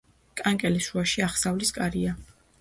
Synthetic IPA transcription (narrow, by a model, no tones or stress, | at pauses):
kʼaŋkʼɛlisuaʃiaχsavliskʼaɾia